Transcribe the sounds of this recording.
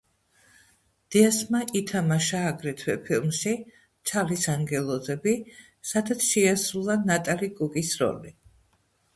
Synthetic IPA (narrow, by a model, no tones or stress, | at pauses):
d̪̥iasmaʔit̪ʰamaʃaːɡɾɛt̪ʰwɛpʰilˠmʃi | t̪sʰalisaŋɡɛlˠɔzɛbi | sad̪at̪sʰʃɛasulˠanat̪ʼalikʼukʼisɾɔ̰li